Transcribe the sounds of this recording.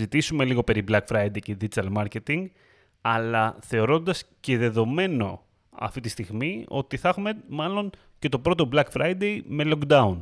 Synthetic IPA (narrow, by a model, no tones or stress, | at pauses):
zit̪isume̞liɣo̞pe̞ɾiblɐkfɾɐjd̪ejced̪id͡ʒit̪ɐlmɐɾce̞t̪iŋɡ | ɐlɐθe̞o̞ɾo̞nd̪ɐsce̞ðe̞ðo̞me̞no̞̰ | ɐ̰ft̪it̪ist̪iɣmio̞t̪iθɐxume̞mɐlo̞ɲ | ce̞t̪o̞pɾo̞t̪o̞blɐkfɾɐjd̪e̞jme̞lo̞kd̪ɐun